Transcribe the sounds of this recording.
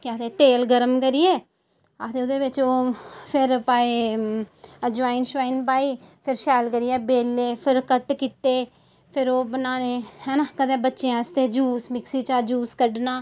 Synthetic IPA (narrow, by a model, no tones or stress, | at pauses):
kɪaːt̪eːʈeːlɡəɾəmkəɾɪjeː | aːt̪eːʊd̪eːʋɪt͡ʃoːpʰɪɾpaːeː | əd͡ʒʋaːɪnʃʋaːinp̬aːiːpʰɪɾʃɛːlkəɾiɛːbeːlːeːpʰɪɾkəʈkit̪ːeː | pʰɪɾoːbənaːneːhɛːnakət̪eːbətːʃẽːəst̪eːd͡ʒuːsmɪksiːt͡ʃaːd͡ʒuːskəɖnaː